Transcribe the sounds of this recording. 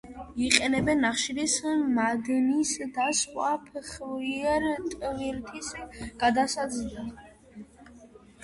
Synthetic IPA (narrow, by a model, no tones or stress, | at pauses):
iqʼɛnɛbɛnːaχʃiɾismad̪nisd̪asqʼwapʰχviɛɾt̪ʼvilt̪ʰisɡ̥ad̪asad̪zd̪a